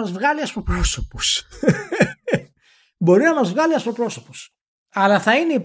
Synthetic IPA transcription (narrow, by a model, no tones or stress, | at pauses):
ɐzvɣɐliɐspopɾo̞sopos | bo̞ɾinɐmɐzvɣɐliɐspopɾo̞so̞pos | ɐlɐθɐineip